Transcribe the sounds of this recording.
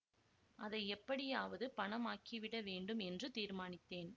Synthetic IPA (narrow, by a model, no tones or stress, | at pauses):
ʔɐðɐɪɛpːɐɽɪjaːʋɐðɯpɐɳɐmaːkiʋɪɽɐʋeːɳɖɯmɛndrɯt̪iːɾmaːnɪt̪ːeːn